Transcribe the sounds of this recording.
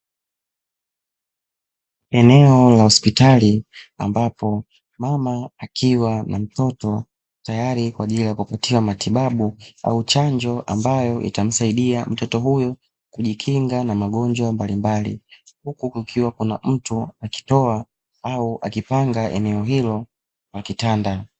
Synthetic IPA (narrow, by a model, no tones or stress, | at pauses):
ɛnɛɔlahɔspitalia̰mbapɔ | mamaakʰiwanam̩tɔtɔ | tajaɾikwaːʄilijakupatiwamatiɓaɓua̰ut͡ʃaɲd͡ʒɔʔa̰mbajɔʔḭtam̩saiɗiam̩tɔtɔɦujɔ | kuʄikʰiŋɡanamaɠɔɲd͡ʒwambalimbalḭhukukikʰiwakunam̩tuaki̥tɔa | auʔa̰kipaŋɡaʔɛ̰nɛɔɦilɔ | lakitanda